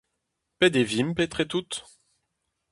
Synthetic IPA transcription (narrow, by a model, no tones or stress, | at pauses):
pɛd̪evimpɛt̪χɛt̪ut̪